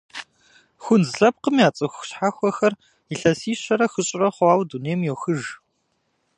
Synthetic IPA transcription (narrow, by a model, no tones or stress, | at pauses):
xʷʊnzɮɐp̚qəmjaːt͡sʼɨxʷɕħaːxʷɔxɐr | iɬɐsiːɕʷɐɾɐxɨɕʼɪrɐχʷɑːwduneːmjɛxɨʒ